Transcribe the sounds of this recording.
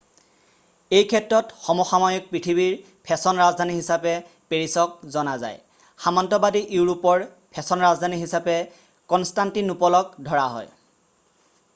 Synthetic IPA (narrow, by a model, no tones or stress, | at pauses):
ejkʰɛtɹɔtxɔmɔxamɔjɔk̚pɹitʰibiɹ | pʰɛsɔnɹazdʱaniɦisapɛ | peɹisɔk̚zɔnaza̰j | xamantɔbadiʔuɹupɔɹ | pʰɛsɔnɹazdʱaniɦisapɛ | kɔnstantinupɔlɔk̚dʱɔɹaɦɔ̰j